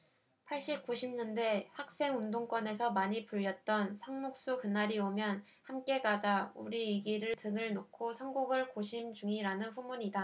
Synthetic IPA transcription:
pʰaɭɕ͈ip̚k͈uɕʰimɲʌnde̞hak̚s͈e̞ŋundoŋk͈wʌne̞sʰʌmaɲipuʎːʌt̚t͈ʌnsʰaŋmok̚s͈ukɯnaɾiomjʌn | hamk͈e̞ɡad͡ʑauɾiiɡiɾɯɭtɯŋɯɭnokʰosʰʌŋɡuɡɯɭkoɕʰimd͡ʑuŋiɾanɯnɸumuɲida

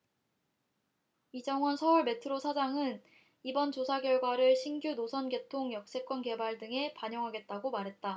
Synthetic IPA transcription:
id͡ʑʌŋwʌnsʰʌuɭme̞tʰɯɾosʰad͡ʑaŋɯn | ibʌnt͡ɕosʰaɡjʌɭɡwaɾɯɭɕʰinɡjunosʰʌnɡe̞tʰoŋjʌk̚s͈e̞k͈wʌnke̞baɭdɯŋe̞paɲjʌŋɦaɡe̞t̚t͈aɡomaɾɦe̞t̚t͈a

